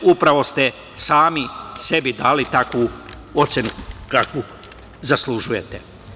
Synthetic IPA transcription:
upɾaʋo̞st̪e | saːmise̞bid̪aːlit̪akʋu | o̞t̪sjenukakʋu | zaslˠuʒujet̪e

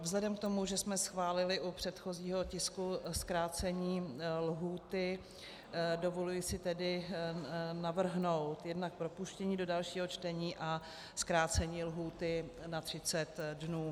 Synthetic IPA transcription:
vzlɛdɛmk̚t̪o̞muʒɛsmɛsxvaːlɪlɪʔupr̝̥ɛt̪xo̞ziːɦo̞cɪskuskɾaːt͡sɛɲiːlɦuːt̪ɪ | do̞vo̞lujɪsɪt̪ɛdɪ | navr̩ɦno̞wt̪jɛdnak̚pɾo̞puʃcɛɲiːdo̞dalʃiːɦo̞t͡ʃt̪ɛɲiːʔa | skɾaːt͡sɛɲiːlɦuːt̪ɪnat̪r̝̥ɪt͡sɛt̪dnuː

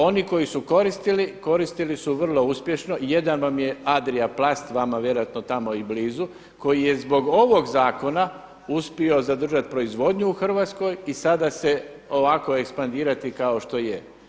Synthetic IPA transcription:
o̞niko̞jisuko̞ɾist̪iliko̞ɾist̪ilisuʋr̩lˠo̞uspje̞ʃno̞ijed̪anʋamje̞ad̪ɾiaplˠast̪ʋamaʋje̞ɾojat̪no̞t̪amo̞ibliːzu | ko̞jijezbo̞ɡo̞ʋo̞ɡzaːko̞na | uspio̞zad̪r̩ʒat̪pɾo̞izʋo̞d̪ɲuːxr̩ʋaːt̪sko̞jisad̪ase̞ | o̞ʋako̞e̞kspand̪iːɾat̪ikao̞ʃt̪o̞je

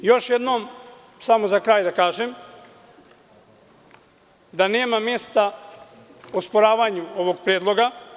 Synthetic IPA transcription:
jo̞ʃjed̪no̞ːm | samozakɾaːjd̪akaːʒem | d̪ane̞ːmamje̞st̪a | ospoɾaːʋaɲuo̞ʋo̞ɡ̚pɾjed̪lˠo̞ɡa

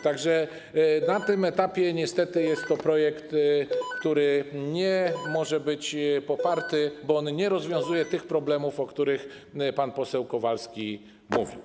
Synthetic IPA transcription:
t̪aɡʐɛ | nat̪ɘmɛt̪apʲjɛɲɛst̪ɛt̪ɘjɛst̪ːɔpɾɔjɛkt̪kt̪uɾɘɲɛmɔʐɛbɘt͡ɕpɔpaɾt̪ɘbɔɔnɲɛɾɔzvʲjɔ̃w̃zujɛt̪ɘxpɾɔblɛmufɔkt̪uɾɘx | panpɔsɛwkɔvalskʲi | muvʲḭw

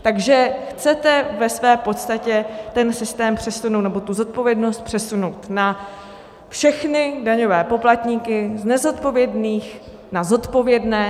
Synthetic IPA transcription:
t̪aɡʒɛxt͡sɛt̪ɛvɛsvɛːpo̞t̪st̪acɛt̪ɛnsɪst̪ɛːmpr̝̥ɛsunowt̪nɛbo̞t̪uzo̞t̪̚po̞vjɛdno̞st̪̚pr̥ɛsuno̞wt̪na | fʃɛxnɪdaɲo̞vɛːpo̞plat̪ɲikɪznɛzo̞t̪po̞vjɛdniːx | nazo̞t̪po̞vjɛdnɛː

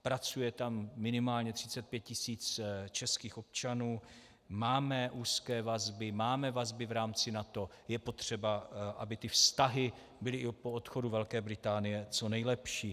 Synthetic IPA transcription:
pɾat͡sujɛt̪amːɪnɪmaːlɲɛt̪r̥ɪt͡sɛt̪̚pjɛt̪̚cɪsiːt͡st͡ʃɛskiːxo̞p̚t͡ʃanuː | maːmɛʔuːskɛːvazbɪmaːmɛvazbɪvɾaːmt͡sɪnat̪o̞ | jɛpo̞t̪r̝̥ɛbaʔabɪt̪ɪfst̪aɦɪ | bɪlɪʔɪpoot̪xo̞duvɛlkɛːbɾɪt̪aːnɪjɛt͡so̞nɛjlɛpʃiː

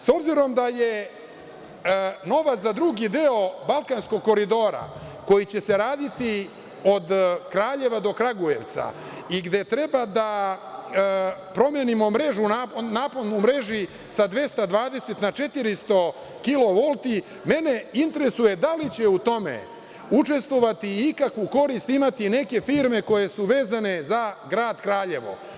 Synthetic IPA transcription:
so̞bziɾo̞md̪aje | no̞ʋat̪zad̪ɾuɡid̪eo̞balˠkansko̞ɡ̚ko̞ɾid̪o̞ːɾa̰ko̞jit͡ɕe̞se̞ɾaːd̪it̪i | o̞d̪kɾaːʎe̞ʋad̪o̞kɾaɡuje̞ʋt̪sa̰ | iɡd̪e̞t̪ɾe̞bad̪a | pɾo̞mjenimo̞mɾe̞ʒunapnaːponumɾe̞ʒi | sad̪ʋe̞st̪ad̪ʋaːd̪e̞set̪nat͡ʃe̞t̪iɾist̪o̞ | kilo̞ʋo̞lˠt̪i | me̞ne̞int̪eɾesuje̞d̪alit͡ɕe̞ut̪o̞mḛ | ut͡ʃe̞st̪ʋo̞ʋat̪iikakʋuko̞ɾist̪imat̪ine̞kefiːɾme̞ko̞je̞suʋe̞ːzane̞zaɡɾaːd̪kɾaːʎe̞ʋo̞̰

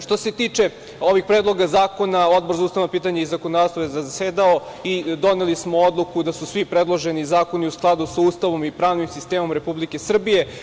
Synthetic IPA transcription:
ʂt̪o̞se̞t̪iːt͡ʂe̞ | o̞ʋiɡ̚pɾed̪lˠo̞ɡazaːko̞naod̪boɾzauːst̪aʋnopiːt̪aɲaizakonod̪ast̪ojezazseːd̪aoid̪o̞nelismo̞od̪lˠukud̪asusʋipɾed̪lˠo̞ʒenizaːko̞niusklˠad̪usauːst̪aʋo̞mipɾaːʋnimsist̪eːmo̞mɾe̞publike̞sr̩bije̞

